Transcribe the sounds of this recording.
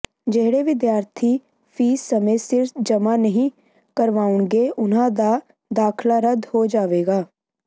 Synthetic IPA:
d͡ʒeɦɽeːʋɪd̪jaːɾt̪ʰiː | pʰiːsəmeːsɪɾfd͡ʒəmaːnəɦĩː | kəɾʋaːʊɳɡeːʔʊnãːd̪aː | d̪aːkʰlaːɾəd̪hoːd͡ʒaːʋeːɡaː

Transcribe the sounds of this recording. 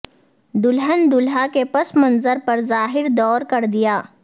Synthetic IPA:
d̪ʊlɦənd̪ʊlɦakepɐsmɐnzəɾpɐɾzaːɦɪɾd̪ɔːɾkɐɾd̪ijaː

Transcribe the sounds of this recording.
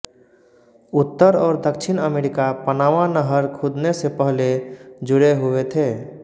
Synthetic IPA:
ʊt̪ːəɾɔːɾd̪əkʃɪnəmeːɾɪkapənaːʋãnəɦəɾkʰʊd̪nesepəɦled͡ʒʊɽeɦʊwet̪ʰeː

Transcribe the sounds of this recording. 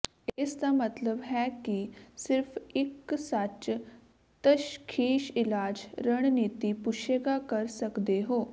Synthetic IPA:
eːsd̪amət̪ləbɦɛkisɪɾfʰɪksat͡ʃ | t̪əʃkʰiːʃɪlaːd͡ʒɾəɽ̃niːt̪ipʊʃeːɡakəɾsəkd̪eɦoː

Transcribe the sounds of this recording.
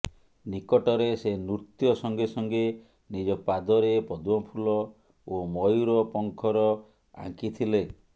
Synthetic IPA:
nikɔʈɔɾesenuɾt̪jɔsɔŋɡesɔŋɡe | nid͡ʒɔpad̪ɔɾepɔd̪wɔpʰulɔ | omɔjuɾɔpɔŋkʰɔɾɔ | a̰ŋkit̪ʰile

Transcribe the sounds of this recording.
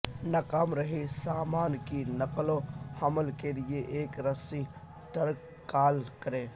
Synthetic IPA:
nɐkamɾɐɦisaːmaːnkinɐklohɐməlkelɪeʔeːkɾɐsi | ʈɐɾkːaːlkɐɾẽː

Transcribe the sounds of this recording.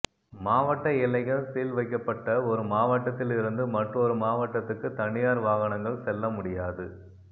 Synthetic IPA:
maːʋɐʈːɐɪlɐɪɣɐɭseːlʋɐɪkːɐpːɐʈːɐɔɾɯmaːʋɐʈːɐt̪ːɪlɪɾɯnd̪ɯmɐʈrɔɾɯmaːʋɐʈːɐt̪ːɯkːɯt̪ɐɳɪjaːɾʋaːɣɐɳɐŋɡɐɭsɛlːɐmʊɽɪjaːðɯ

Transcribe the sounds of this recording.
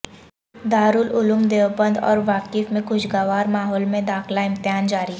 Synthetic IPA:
d̪aːɾʊlʊlʊmd̪eːʋbə̃nd̪ɔ̰ːɾʋaːkɪfmẽkʊʃɡaːʋaːɾmaːɦɔːlmẽd̪aːxlaɪ̃mt̪ɪɦaːnd͡ʒaːɾi

